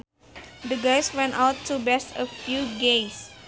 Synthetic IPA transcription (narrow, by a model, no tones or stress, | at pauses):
d̪əɡajswɛ̃nawtʰːubɛsəfjuɡes